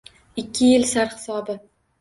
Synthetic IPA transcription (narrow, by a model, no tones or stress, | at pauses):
ɪkʲʰːɪjɪlsaɾhɪ̥sɒbɪ